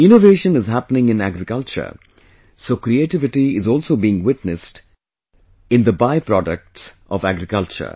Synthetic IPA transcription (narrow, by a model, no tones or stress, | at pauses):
ɪ̃noʋeːʃə̃nɪzɦæpənɪ̃ŋɪ̃næɡɾɪkʌlt͡ʃə̰ɾ | soːkɾieʈɪʋɪʈiɪzɔːlsoːbiːɪ̃ŋwɪʈnɨsʈ | ɪ̃nd̪əbaɪpɾɔɖək̚ʈsʔɔ̰ʋæɡɾɪkʌlt͡ʃə̰ɾ